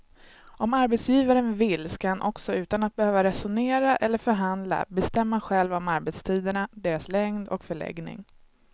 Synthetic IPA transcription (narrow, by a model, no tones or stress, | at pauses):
ʔɔmaɾbɛt̪sjiːvaɾənvɪlːskahanʔɔksɔʉ̟ːt̪anat̪̚bɛhøːvaɾɛsʊneːɾaʔɛlːəɾfœɾɦand̪la̰bɛst̪ɛmːaɧɛlvɔmaɾbɛt̪st̪ʰiːd̪əɳad̪eːɾaslɛŋd̪ɔ̰kfœɭɛ̰ɡnɪ̰ŋ